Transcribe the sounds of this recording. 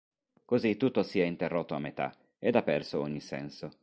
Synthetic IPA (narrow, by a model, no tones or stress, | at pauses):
kozit̪ːut̪ːosiɛint̪erːot̪ːoamːet̪a̰ | ed̪apːɛrsoɔɲːisɛ̰nso